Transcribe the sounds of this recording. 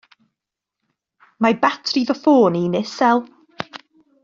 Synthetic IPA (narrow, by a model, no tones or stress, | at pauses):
mabatʰriðɔfoːninɪsɛlˠ